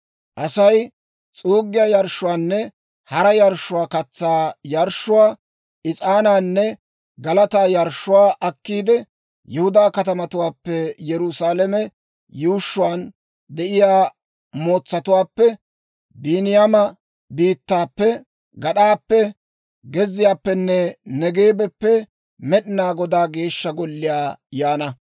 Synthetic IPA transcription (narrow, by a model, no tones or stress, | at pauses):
ʔɐsɐj | t͡sʼuːɡːɪjajɐɾʃːʊwaːnːɛ | hɐɾɐjɐɾʃːʊwaːkɐt͡sːaːjɐɾʃːʊwaː | ʔɪt͡sʼaːnaːnːɛ | ɡɐlɐt̪aːjɐɾʃːʊwaːʔɐkːiːd̪ɛ | jɛhʊd̪aːkɐt̪ɐmɐt̪ʊwaːpːɛjɛɾʊsaːlɛmɛ | juːʃːʊwaːn | d̪ɛʔɪjaː | mo̞ːt͡sːɐt̪ʊwaːpːɛ | biːnɪjamɐ | biːt̪ːaːpːɛ | ɡɐɗaːpːɛ | ɡɛzːɪjaːpːɛnːɛnɛɡeːbɛpːɛ | mɛɗɪnaːɡɔd̪aːɡe̞ːʃːɐɡɔlːɪjaːjaːnɐ